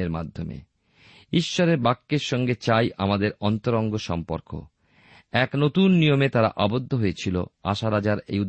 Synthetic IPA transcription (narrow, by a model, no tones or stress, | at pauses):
eɾmad̪ʱːomḛ | iʃːoɾeɾbakːeɾʃɔŋɡet͡ɕajʔa̰mad̪eɾɔnt̪oɾoŋɡoʃɔmpo̰ɾko̰ | ɛknot̪unːijomet̪aɾa̰ʔabod̪ʱːoɦoet͡ɕʰilo̰a̰ʃaɾad͡ʑaɾḛjud̪